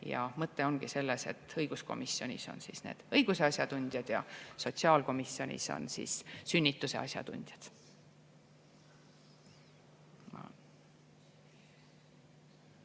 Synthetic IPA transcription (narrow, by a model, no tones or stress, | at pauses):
jɑ̰mɤt̪ːe̞o̞nɡise̞lːese̞̰t̪ːɤjɡ̥usko̞̰misːjo̞nʲiso̞̰nsisneːd̪̥ɤ̞jɡ̥useɑsʲjɑd̪unʲd̪̥ʲjɑd̪̥jɑ̰so̞t̪siɑːlko̞misːjo̞nʲḭso̞̰nsḭːssynʲːit̪ːˑuse̞̰ɑ̰sʲjɑ̰d̪ṵnʲd̪̥jɑd̪̥ | mɑ̰